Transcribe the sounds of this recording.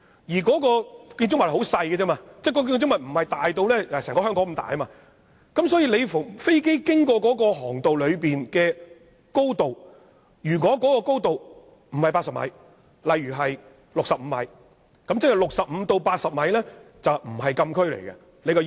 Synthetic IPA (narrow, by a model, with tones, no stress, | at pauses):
jiː˨˩kɔː˨˥kɔː˧kiː˧nt͡ʃʊ˥ŋmɐ˨hho˨˥wsɐ˧jɡɛ˧t͡sɛː˥maː˧t͡sɛː˥˩kɔː˨˧˥kʊ˥ŋmɐ˨t̚m̩˨˩hɐ˨jt̪aː˨jt̪o˧wlɛː˥˧sɛː˨˩ŋkɔ˧˥ɦœː˥ŋkɔ˨˥ŋ̩˨˩mt̪a̰ː˨˩jɐ˦maː˧ | kɐ˨˥msɔː˨˥jiː˧le˨˧jffe˥jke˥jkɪ˥ŋkɔː˧k̬ɔː˨˥kɔː˧ɦɔː˨˩ŋt̪o˨wlɵ˨˧ɥpiː˨nkɛː˧ | ko˥wt̪o˨w | jyː˨˩k̬ɔː˨˥kɔː˨˦˥kɔː˧ko˥wt̪o˨w | m̩˨˩hɐ˨jpaː˧tsɐ˨p̚mɐ̰˨˧j | lɐ˨jɥyː˨˩ɦɐ˨j | lʊ˨k̚sɐ˨p̚m̩˨˧mɐ̰˨˧j | kɐ˨˥mt͡sɛ˥k̚hɐ˨˩lʊ˨k̚sɐ˨p̚m̩˨˧t̪o˧wpaː˧t̚sɐ˨p̚mɐ˨˧jlɛː˥ | t͡sɐ˨wm̩˨˩ɦɐ˨jkɐ˧mkʰɵ˥ɥlḛ˨˩jkɐ̰˧ | le˨˧jkɔ˧